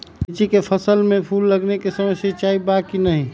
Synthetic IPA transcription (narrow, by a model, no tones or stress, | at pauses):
t͡ʃikepʰəsəlmẽpʰulːəɡnekesəməsjet͡ʃjaːibakinəɦĩ